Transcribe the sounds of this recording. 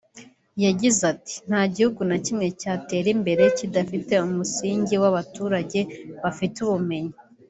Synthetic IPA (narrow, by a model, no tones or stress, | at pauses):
jaɟizati̥n̥haːɟihuɡunacimŋe̞caːte̞ːɾimbe̞ɾe̞cidafite̞umusiːɲɟiwaβatuːɾaɟe̞βafituβume̞ɲi